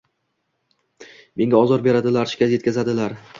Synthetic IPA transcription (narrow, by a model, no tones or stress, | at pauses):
me̞ŋʲaɒzɒɾbe̞ɾad̪ɪlaɾʃɪ̥kʲazje̞t̪kʲʰazad̪ɪlaɾ